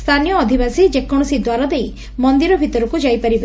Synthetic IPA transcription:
st̪ʰanijɔːd̪ʱibasid͡ʒekːɔɽ̃ɔsid̪waɾad̪ej | mɔnd̪iɾɔbʱit̪ɔɾɔkud͡ʒajpaɾib

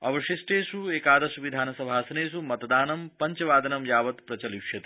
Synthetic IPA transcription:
ɐ̰ʋɐʃisʈeːsueːkaːd̪ɐsuʋid̪ʱaːnɐsɐbʱaːsɐneːs̬umɐt̪d̪aːnɐmpɐɲt͡ʃɐʋaːd̪ʱɐnɐmjaːʋɐt̪pɾɐt͡ʃɐliʃjɐt̪i

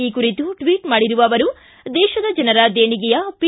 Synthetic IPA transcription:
iːkuɾit̪uʈʋiːʈmaːɽiɾuʋɐːʋɐɾu | d̪ɛːʃɐd̪ɐd͡ʒɐnɐɾad̪eːɳiɡɛjɐpi

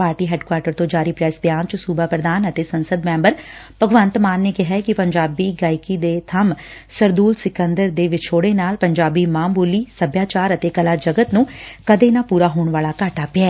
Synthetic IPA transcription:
paːɾʈiːɦɛːɖkwaːɾʈəɾt̪õːd͡ʒaːɾiːpɾɛːsbjaːnt͡ʃəsuːbʱaːpɾəd̪aːnət̪eːsənsəd̪mɛ̃ːmbəɾpəɡʋə̃nt̪maːnːeːkɪɦɛkɪpəɲd͡ʒaːbiːɡaːɪkid̪eːt̪ʰəmsəɾd̪uːlsɪkə̃nd̪əɾd̪eːʋɪt͡ʃʰoːɽeːnaːlpəɲd͡ʒaːbiːmaːmbuːliːsəbjaːt͡ʃaːɾət̪eːkəlaːd͡ʒəɡət̪nũːkəd̪eːnapuːɾaːɦoːɳ̃ʋaːlaːkaːʈaːpɪɛː

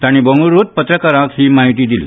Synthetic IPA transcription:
t̪aɽ̃ibəŋɡuɾot̪̚pət̪ɾəkaɾãkhiːmaɦit̪iːd̪il̰

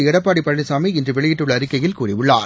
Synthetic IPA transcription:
ɪɽɐpːaːɽipːɐɭːɪsaːmɐɪɪndrɯʋɛɭɪjɪʈːɯɭːɐːɾɯkːɐjɪlkuːrɪʋɯɭːa̰ːɾ

